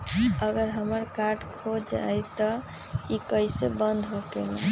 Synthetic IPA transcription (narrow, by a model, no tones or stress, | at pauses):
əɡəɾɦəməɾkaɾɖkʰod͡ʒa̰jt̪ə | ikəɪsebənd̪ʱɦokelã̰